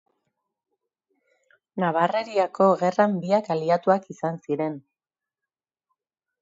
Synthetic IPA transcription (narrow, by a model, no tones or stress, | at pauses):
naβare̞ɾiako̞ɣe̞rambiakaliat̪uakisansiɾe̞n